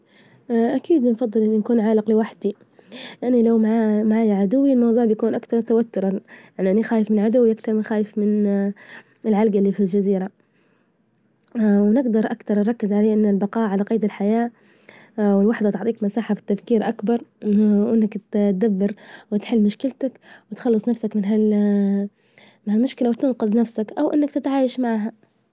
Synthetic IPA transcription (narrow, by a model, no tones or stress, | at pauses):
ʔakiːd̪nfɑðˤːɨlʔɪnːinakuːnʕaːlɪqlɪwaħd̪i | lɪʔanːilawmaʕmaʕaːjaʕad̪ʊwːilmɑwðˤuːʕbjakuːnʔakt̪ɑɾˤt̪awat̪ːʊɾˤɑjaʕniʔanːixaːjɪfmɪnʕad̪ʊwːiʔakt̪ɑɾˤmɪnxaːjɪfmɪn | ɪlʕalɡalːiːfild͡ʒaziːɾa | wnɪɡd̪ɑɾˤʔakt̪ɑɾˤnɾˤɑkːɪzʕaleːʔɪnːɪlbɑqɑːʔʕalaqɑːd̪ɪlħajaː | wɪlwaħd̪at̪ʊʕt̪ˤiːkmasaːħafi̥t̪ːafkiːɾʔakbɑɾˤʔɪnːakt̪td̪abːɪɾwɪt̪ħɪlːmʊʃkɪlt̪akwɪt̪xɑlːɨsˤnafsakmɪnɦal | mɪnhalmʊʃkɪlawɪt̪ʊnqɨd̪ˤnafsakʔawʔɪ̰nːakt̪ɪt̪ʕaːjaʃmaʕɦa